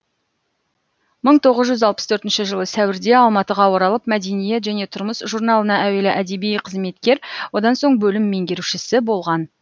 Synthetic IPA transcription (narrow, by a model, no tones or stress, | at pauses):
məɴt̪ʰo̞ʁəzʒʏzɑlˠpə̥st̪ʰɵɾt̪ɪnʃɪʒəlˠəsæwɪɾd̪e̞ɑlˠmɑt̪əʁɑwoɾɑlˠəp̚mæd̪e̞nije̞t̪ʒæne̞t̪ʰʊɾməsʒuɾnɑlˠənɑʔæwe̞lɪʔæd̪ebijqʰəzme̞t̪kʲe̞ɾwo̞d̪ɑnso̞ɴbɵlɪmːe̞ŋɡʲe̞ɾuʃɪsɪbo̞lˠʁɑn